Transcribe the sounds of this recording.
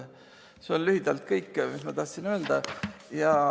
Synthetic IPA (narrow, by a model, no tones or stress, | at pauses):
seonlyhid̪̥ɑlt̪kɤjkːmismɑt̪ɑht̪sinøeld̪̥ɑjɑ